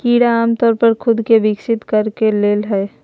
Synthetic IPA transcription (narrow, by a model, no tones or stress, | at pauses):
kiːɽaaːmt̪ɔːɾpɐɾkʰʊd̪keʋɪksɪt̪kɐɾkeleːlɦɛː